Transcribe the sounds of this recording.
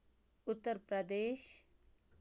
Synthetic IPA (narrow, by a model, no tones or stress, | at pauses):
ʊt̪ːəɾpɾəd̪eːʃ